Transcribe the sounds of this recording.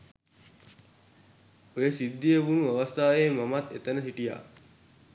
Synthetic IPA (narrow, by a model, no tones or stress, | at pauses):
ojəsid̪ːijebunuɐʋɐst̪ʰaːjemamat̪et̪ənəsiʈija̰ː